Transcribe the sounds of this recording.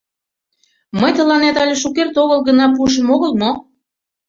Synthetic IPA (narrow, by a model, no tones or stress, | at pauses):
məjt̪ə̆lɑnet̪ɑlʲeʃukert̪oɣəlɣə̆nɑpuʃ̬ə̆moɣəlmo